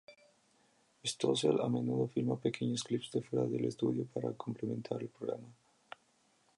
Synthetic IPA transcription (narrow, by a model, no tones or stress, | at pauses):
est̪osala̰menuðofiɾmapekeɲosklipzd̪efeɾaðelest̪uðjopaɾa̰komplemẽnt̪ʰaɾelpɾoɣɾa̰ma